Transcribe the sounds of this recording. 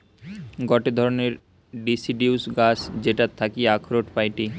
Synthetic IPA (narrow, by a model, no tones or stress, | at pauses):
ɡɔʈed̪ʱɔɾoneɾ | ɖisiɖiusɡasd͡ʑeʈat̪ʰːakiakʰɾoʈpajʈi